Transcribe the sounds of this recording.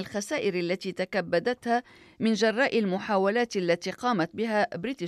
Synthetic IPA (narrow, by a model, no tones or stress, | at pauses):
alxasaːʔɪɾalːat̪iːt̪akabːad̪at̪haː | mɪnd͡ʒɑrˤːɑːʔɪlmʊħaːwalaːt̪alːat̪iːqɑːmat̪̚bɪɦaːbɾiːt̪ɪ